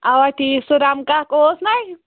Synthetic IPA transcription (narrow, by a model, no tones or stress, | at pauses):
awaʈʰisuɾamkakoːsnaj